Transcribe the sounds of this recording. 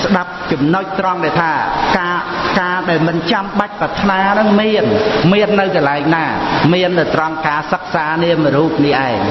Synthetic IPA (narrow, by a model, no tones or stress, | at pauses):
sɗap̚t͡ɕɑmnoc̚t̪rɑŋɗaɛt̪ʰaːkaːkaːɗaɛlmɨnt͡ɕamɓac̚pɑt̪ʰnaːnɨŋmiənmiənːɨwkɑlaɛŋnaːmiənːɨwt̪rɑmkaːsək̚saːniəməɾuːp̚niʔaɛŋ